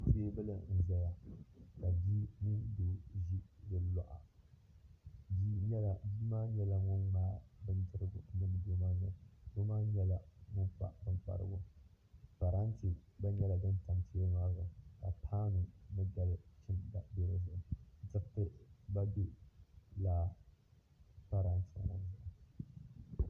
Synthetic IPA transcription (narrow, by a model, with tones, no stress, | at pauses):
pe˦bɨ˦la˦n̩˨za˦ja˨ka˨biː˦ni˦be˨ʒi˦dɨ˨lɔ̰˨ʔa̰˨ | bi˦ɲɛ˦la˨bi˦maː˦ɲɛ˦la˦ŋʊ˦nɡ͡baː˦bɨ˦n˦d͡ʒɨ˦ɾɨ˦ɡʊ˦nɨ˦m˦de˦maː˦nɨ˨bʊ˦maː˦ɲɛ˦la˦ŋʊ˦n˦k͡pa̰˨bɨ˦n˦k͡pa̰˨ɾɨ̰˦ɡʊ˦ | pa˨ɾa˦nti˨ba˦ɲɛ˦la˨dɨ˦nta˨ŋti˦ɛ˦ŋa˦ɾɡa˨ka˨pʰaː˦nɨ˨nɨ˦ɡa˨lt͡ʃɪ˦mda˨bɛ˦ɾɨ˦zʊ˦˨ʔʊ˨˦d͡ʒɪ˦ktɨ˦ba˦bɪ˦laː˦ | pa˦ɾa˨˦nt͡ʃi˨a̰˨na̰˨zʊ˦˨ʔ